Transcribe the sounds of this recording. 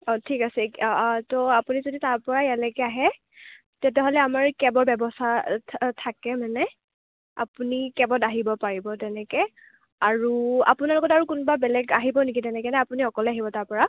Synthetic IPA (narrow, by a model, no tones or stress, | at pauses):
ɔtʰikasɛtɔapunizoditaɹpɔɹajalɛkɛaɦɛ | tɛtɛɦolɛamaɹkɛbɔɹbɛbɔsʰatʰakɛmanɛ | a̰punikɛbɔtaɦibɔpaɹibɔtɛnɛkɛ | aɹua̰punalɔɡɔtaɹukʊnbabɛlɛɡaɦibɔnikitɛnɛkɛnɛapuniɔkɔlɛaɦibɔtaɹpɔɹa